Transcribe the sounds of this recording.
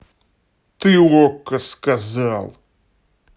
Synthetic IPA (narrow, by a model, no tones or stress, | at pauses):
t̪ɨuokɐskɐzalˠ